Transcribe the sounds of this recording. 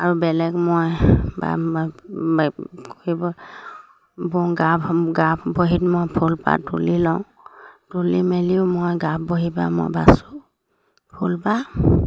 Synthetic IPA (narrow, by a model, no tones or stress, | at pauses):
aɹubɛlɛkmojba̰ | koibɔ | bɔŋɡapɡapboɦitmojpʰulpa̰tulilɔʊ̃ | tulimeliʊmojɡap̚boɦibamo̰jbasu | pʰulpa